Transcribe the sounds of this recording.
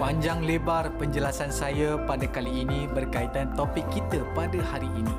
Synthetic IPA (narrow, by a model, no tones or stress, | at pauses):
paɲd͡ʒaŋlebarpəɲd͡ʒəlasansajapadakaliːnibərkait̪ant̪opɪkːit̪əpadahaɾiʔini